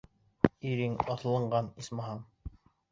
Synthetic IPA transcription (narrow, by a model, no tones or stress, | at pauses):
iɾiŋɑθɤ̆lˠɤ̆ɴɢɑnismɑɦɑɴ